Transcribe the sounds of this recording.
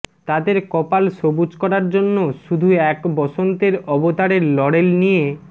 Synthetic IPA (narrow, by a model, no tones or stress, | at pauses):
t̪ad̪eɾkɔpalʃobud͡ʑkɔɾaɾd͡ʑonːoʃud̪ʱuɛkbɔʃont̪eɾɔbot̪aɾeɾlɔɽelnije